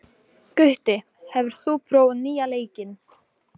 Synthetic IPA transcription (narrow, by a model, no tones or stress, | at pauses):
kʏht̪ɪ | hɛvʏɾ̥θupʰɾoːwnːiːjaleːjcɪn